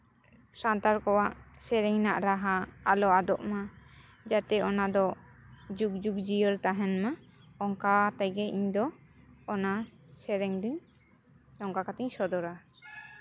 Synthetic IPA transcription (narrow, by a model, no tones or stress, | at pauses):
sant̪aɾkɔwaʔsɛɾɛɲnaʔɾaɦaːlɔad̪ɔʔma | d͡ʒat̪ɛɔnad̪ɔd͡ʒuk̚d͡ʒukd͡ʒijəɾt̪aɦɛnma | ɔŋkat̪ajɡɛʔiɲd̪ɔː | na | sɛɾɛŋd̪uɲ | t̪ɔŋkakat̪ɛɲsɔd̪ɔɾa